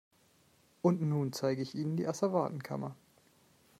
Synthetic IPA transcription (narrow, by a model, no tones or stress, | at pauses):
ʔʊntnuːnt͡saɪɡəɪçʔiːnəndḭːʔasavaːtn̩kʰa̰mɐ